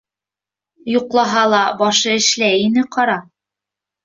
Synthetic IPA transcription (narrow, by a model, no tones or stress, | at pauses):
juqlˠɑɦɑlˠɑbɑʃɤɘ̆ʃlæjinɘqɑɾɑ